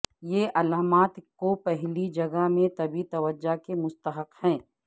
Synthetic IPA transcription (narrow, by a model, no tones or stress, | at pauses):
jeʔɐlaːmaːt̪kopɛɦlid͡ʒɐɡamẽt̪ɐbit̪ɐʋəd͡ʒakemʊst̪əɦəqhɛ̃ː